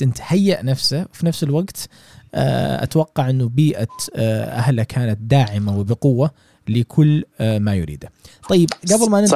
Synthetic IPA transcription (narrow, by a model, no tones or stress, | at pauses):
ɪnt̪ḁhajːaʔnafsawfinafsɪlwaɡt̪ː | ʔa̰t̪awɑqːɑʕʔɪnːʊbiːʔaʔa̰hlakʰaːnat̪̚d̪aːʕɪmawɪbɪqʊwːa | lɪkʰʊlːmajʊ̰ɾḭːd̪at̪ˤɑjːɪbɡablmanɪ